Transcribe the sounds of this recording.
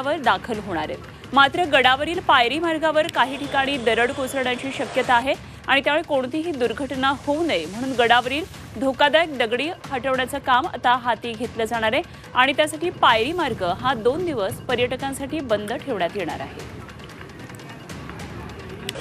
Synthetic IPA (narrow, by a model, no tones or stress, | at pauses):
ʋəɾd̪akʰəlɦoɽ̃aɾḛt̪ | mat̪ɾəɡəɽaʋəɾiːlpajɾiːmaɾɡaʋəɾkaɦiːʈʰikaɽ̃iːd̪əɾəɽkosəɾɽjaɲt͡ɕiːɕəkjət̪aːɦe | aɽ̃it̪jaʋəɭkoɳt̪iːɦiːd̪uɾɡʱəʈnahound̪əjm̤əɽ̃uːnɡəɽaʋəɾiːl | d̪ʱokad̪aek̚d̪əɡɽiːhəʈəʋɳjat͡səːkama̰t̪aɦat̪iːɡʱet̪ləːd͡zaɽ̃aɾe | aɽ̃it̪jasaʈiːpajɾiːmaɾɡəɦad̪ond̪iʋəspəɾjəʈəkãnsaʈiːbənd̪ʱəʈʰeʋɳjat̪jeɳ̃a̰ɾa̰ɦḛ